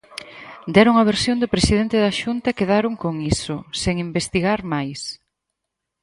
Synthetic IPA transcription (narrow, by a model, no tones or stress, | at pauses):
d̪ɛɾoŋɐβ̞eɾsjond̪ʊpɾesiðent̪ɪðaʃunt̪ɐkeðaɾoŋkoŋisʊseŋimbest̪iɣaɾmajs